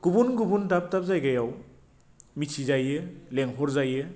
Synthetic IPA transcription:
ɡ̥ubunɡubundap̚tap̚zajɡajaw | misizajɯleŋpʰɔɾzajɯ

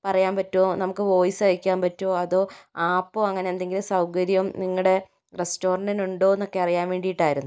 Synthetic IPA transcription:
pɐrɐjaːnpɐtːoːnɐmukːɨʋo̞ːjsɨɐjikʲːaːmpɐtːoːɐðo̞ːaːpːoːɐŋːɐne̞ːnd̪e̞ŋɡilsɐwkɐɾjɐumniŋːɐɽe̞ | resto̞ːrɐɳɖɐnuɳɖo̞ːenːokːe̞ɐrijaːnʋe̞ːɳɖijiʈːaːjiɾunːu

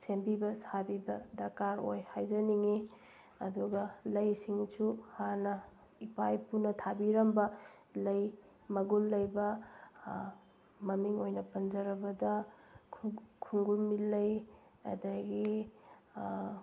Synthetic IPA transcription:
sempibɐsabibɐdɐɾkaɾo̰jhajzɐniŋi | ɐduɡɐlɐjsiŋt͡ʃuhanɐ | ipajpunɐtʰabiɾɐmbɐ | lɐj | mɐɡulːɐjbɐ | mɐmiŋojnɐpɐnzɐɾɐbɐdɐ | kʰuŋɡulmilːɐj | ɐ̰dɐɡi

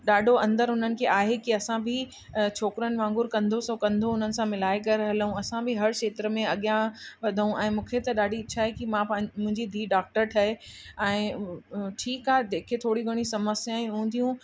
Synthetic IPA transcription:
ɗaːɖʱoɐ̃nd̪əɾɦʊn̤ənɪ̆kʰeːʔaːɦekiɐsãbʱɪ | t͡ɕʰoːkɾənɪ̆ʋãːŋɡʊɾkɐ̃nd̪ʱosõkɐ̃nd̪ʱoʊn̤ənɪ̆sãmɪlaːekɐɾɐɦələɦũɐsãbʱɪɦɐɾkʃeːt̪ɾəmẽɐɠjãʋɐd̪ʱəɦũʔɛ̃ːmũːkʰet̪ɐɗaːɖʱit͡ɕʰaːɦekimãmʊ̃ɦɪ̃ɲd͡ʑid̪ʱiːɖaːk̚ʈəɾʈʰɐɦeɛ̃ː | ʈʰiːkɦaːɦed̪eːkʰet̪ʰoːɽiɡʱɐɽ̃isɐməsjaːĩɦũːn̆d̪ijũ

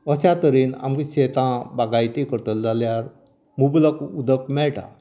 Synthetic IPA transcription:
əɕat̪əɾiːna̰mkiɕet̪ãbaɡajt̪ikəɾt̪əld͡zaljaɾ | mubləkud̪əkmɛɭʈʰa̰

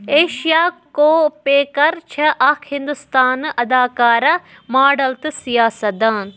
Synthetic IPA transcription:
eːʃijaːkoːpeːkɐɾt͡ʃʰɐʔɐkʰhĩnd̪ust̪aːnʔɐd̪aːkaːɾɐ | maːɖɐlt̪ɨsijaːsɐd̪aːn

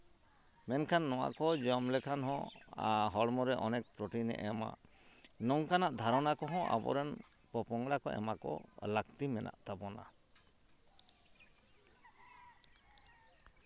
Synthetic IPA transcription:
mɛnkʰanːɔwa̰ʔkɔd͡ʒɔmlɛkʰanɦɔ̃a̰ɦɔɽmɔɾɛʔɔnɛk̚pɾɔʈinɛ̰ʔɔma̰nɔŋkanaʔd̪ʱaɾɔnakɔɦɔ̃ʔa̰bɔ̰ɾɛn | pɔpɔŋɡɽakɔʔɛ̰makɔ̰lakt̪imɛnʔa̰ʔt̪apɔna̰

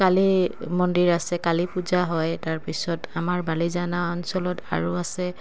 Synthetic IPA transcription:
kalimɔndiɹasɛkalipuzaɦɔjtaɹpisɔtamaɹbalizanaɔnsɔlɔta̰ɹuasɛ

